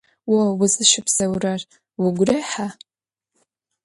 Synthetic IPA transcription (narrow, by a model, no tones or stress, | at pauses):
wowʊzɨʃɪpʰz̥ɐwrar | wʊɡʷreħa